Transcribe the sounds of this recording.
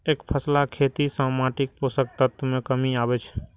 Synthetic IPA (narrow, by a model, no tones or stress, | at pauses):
eːkpʰəslakʰet̪isãmaʈik̚posək̚t̪ət̪mẽkəmiabɛt͡ʃʰ